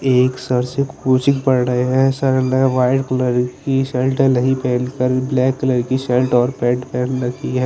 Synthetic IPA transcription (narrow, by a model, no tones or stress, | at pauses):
eːksəɾsɪkuːt͡ʃɪkpəɽɾəeɦɛ̃səɾleʋaːɪʈkələɾkiselʈɦɛ̃ləɦipɛːnkəɾblɛːkːələɾkiselʈɔːɾpɛːʈpɛːnɾəkʰiɦɛː